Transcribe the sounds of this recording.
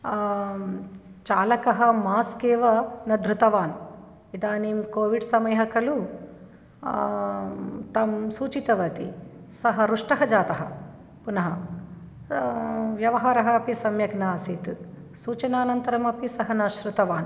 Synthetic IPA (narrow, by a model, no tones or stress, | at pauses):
t͡ʃaːlɐkɐɦɐmaːskeːʋɐnɐd̪ʱɾut̪ɐʋaːn | id̪aːniːmkoːʋiɖsɐmɐjɐɦɐkɐlu | t̪ɐmsuːt͡ʃit̪ɐʋɐt̪ḭsɐɦɐɾuʂʈɐɦɐd͡ʒaːt̪ɐɦɐ̰ | punɐɦɐ | ʋjɐʋɐɦaːɾɐɦɐːpisɐmjɐɡnaːsit̪ | suːt͡ʃɐnaːnɐnt̪ɐɾɐmɐpisɐɦɐnɐʃɾut̪ɐʋaːn